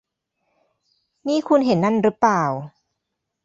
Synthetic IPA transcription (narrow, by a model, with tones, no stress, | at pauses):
niː˦˥˨kʰu˧nɦe˨˩˦nːa˥˩nɾɯ˦˥plaː˨˩w